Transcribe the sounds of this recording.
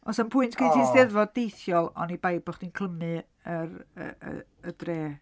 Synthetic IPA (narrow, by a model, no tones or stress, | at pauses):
ɔsənpʰʊɨntʰkʰejtʰiːnstɛðvɔddejθjɔlˠɔ̰nibajbʊχd̥inkʰl̥ˠəmɨ | ərə̰ə̰ | ədreː